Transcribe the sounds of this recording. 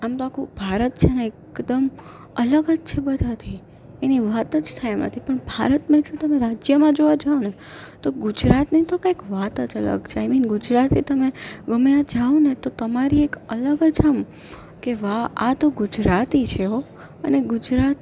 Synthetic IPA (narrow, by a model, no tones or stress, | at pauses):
amt̪oakʰubʱaɾət̪t͡ʃʰeneekd̪əm | ələɡəd͡ʒt͡ʃʰebəd̪ʱat̪ʰi | eniʋat̪əd͡ʒt̪ʰajamnə̰t̪ʰipəɳbʱaɾət̪mãd͡ʒõt̪əmeɾad͡ʒjəmãd͡ʒoʋad͡ʒaone | t̪oɡud͡ʒɾat̪nit̪okajkʋat̪ət͡ʃələ̰ɡt͡ʃʰejminɡʊd͡ʒɾat̪it̪əmeʋəmjãd͡ʒaonet̪ot̪əmaɾiekələɡəd͡ʒəm | keʋaat̪oɡʊd͡ʒɾat̪it͡ʃʰeɦo | ə̰neɡʊd͡ʒɾat̪